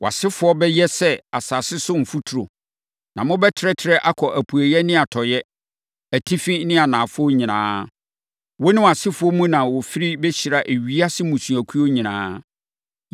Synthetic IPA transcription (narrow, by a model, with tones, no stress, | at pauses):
wa̰˨sɪ˦fʊ˨˦ɔ˦bɛ˦jɛ˦sɛ˦a˨sa˨sɪ˦sʊ˦m̩˨fu˦tʰu˨ɾo˨ | nã˨mʊ̃˦bɛ˦tʰɾɛ˦tʰɪ˨ɾɛ˦ʔa˦kʰɔ˨ʔæ˨pʰu˨æ˨jɛ˦nɪ̃˦a˨tʰɔ˨jɛ˦ | æ˨tʰi˦fĩ˦nɪ̃˦a˨nãː˨fʊ˦ɔ˦ɲĩ˨nã̰ː˨˦ | wo˦nɪ̃˦wa˨sɪ˦fʊ˨ɔ˦mũ˦nã˨wɔ˨fi˦ɾi˦bɛ˦ɕi˨ɾa˨ʔe˨ɥi˦a˦sɪ˦mũ˨sũ˨æ˨kʰu˦o˦ɲĩ˨nã̰ː˦